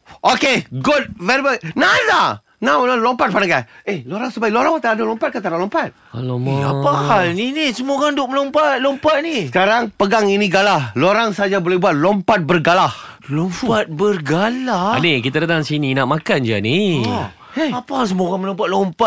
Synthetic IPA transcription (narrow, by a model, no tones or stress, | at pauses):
okeɡut̚vɛɾibanada | nawnalompat̪̚panaŋkaeloɾaŋsəpajloɾãŋat̪aadalompat̪̚kat̪aɾalɔmpat̪̚ | aloapahalninisəmoɡandʊʔ̚məlompat̪̚lompat̚nisəkaɾaŋpəɡaŋinĩɡalahloɾaŋsad͡ʒabolehbuat̪̚lompat̪̚bərɡalah | lompat̪̚bərɡalaanikit̪adat̪aŋsininaʔmakand͡ʒani | eapas̬əmoɡanməlõmpat̚lompat̪̚